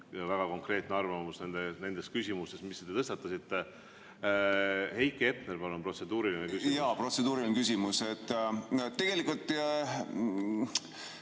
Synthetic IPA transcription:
væɡ̥ɑko̞ŋkre̞ːt̪ˑneɑrvɑmusnend̪ene̞nd̪̥e̞skysʲimust̪e̞smist̪ːet̪et̪ɤst̪ɑt̪ːˑɑsit̪ːˑe | he̞jkːˑeep̚nerpɑlumpro̞t̪se̞d̪uːɾilinekysijɑːpro̞t̪se̞d̪̥uːɾilinekys̬ʲimuse̞t̪ːt̪ːe̞ɡ̥elikult̪ːˑ

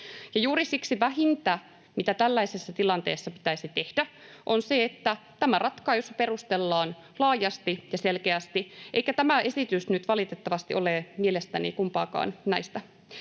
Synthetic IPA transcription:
jɑjuːɾisiksiʋæɦint̪æ | mit̪æt̪ælːæisesːɑt̪ilɑnt̪eːsːɑpi̥t̪æisit̪e̞hd̥æʔonseet̪ːæt̪æmærʔɑt̪kɑːjospe̞rust̪elːɑːn | lɑːjɑst̪ijɑselkeæst̪iʔeijkæt̪æmæʔe̞sit̪ysnyt̪ʋɑlit̪et̪ːɑʋɑst̪iʔolemielest̪ænḭkumpɑːkɑ̰ːnnæist̪æ

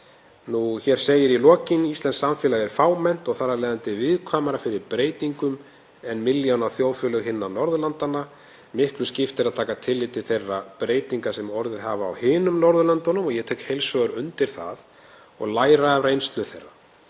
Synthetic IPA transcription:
nuçɛɾ̥seːjɪɾilɔːcɪnist̪ɛnsaɱfɪːlaðɛɾ̥faːwmɛn̥t̪ɔɣθaɾalɛːjðant̪ɪvɪðkʰvaːmaɾafɪɾɪɾpɾeːjt̪iŋkʏm | ɛnmɪljawnawθjoːwfʏlœɣɦɪnːanɔɾðʏlant̪ana | mɪhklʏscɪft̪ɛɾaðt̪ʰaːkat̪ʰɪlːɪt̪ɪθejrːapɾeːjt̪iŋkasɛmɔɾðɪðhaːvaːwhɪːnʏmnɔɾðʏlant̪ɔnʏmɔɣjɛt̪ʰɛːkhejlsvœʏɾʏnt̪ɪɾ̥θa̰ð | ɔ̰ɣlaːjɾarejnst̪lʏθejrːa

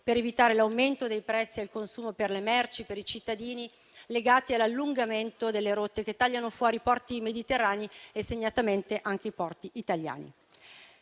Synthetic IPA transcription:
peɾevit̪aːɾelawment̪od̪ejpɾɛt̪sːialkonsuːmoperlemɛrt͡ʃipeɾit͡ʃit̪ːad̪iːni | leɡaːt̪ialːalːuŋɡament̪od̪elːeɾot̪ːek̟et̪ːaʎːanofwɔːɾipɔrt̪imed̪it̪erːaːnieseɲːat̪ament̪eʔaŋk̟eipɔrt̪iʔit̪aʎja̰ːnḭ

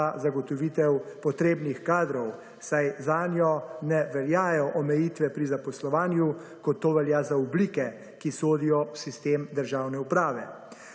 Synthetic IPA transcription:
azaɡɔt̪ɔʋiːt̪ɛwpɔt̪ɾeːbnixkaːd̪ɾɔw | sajzaːnjɔnɛʋɛljaːjɔʔɔmɛjit̪ʋɛpɾizapɔslɔʋaːnjukɔt̪ːoːʋɛljaːzaɔbliːkɛ | kisoːd̪ijɔwsist̪eːmd̪əɾʒawnɛupɾaːʋɛ

